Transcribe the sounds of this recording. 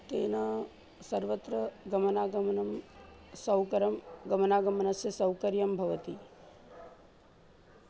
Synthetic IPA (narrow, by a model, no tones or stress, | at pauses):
t̪eːnaː | sɐɾʋət̪ɾɐɡɐmɐnaːɡɐmnɐmsɐwkɐɾɐmɡɐmənaːɡɐmənɐsjɐsɐwkɐɾjɐmbʱɐʋɐt̪ḭ